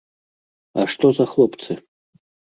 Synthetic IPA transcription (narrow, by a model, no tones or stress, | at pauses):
aʂt̪ɔzɐxlˠɔpt̪sɨ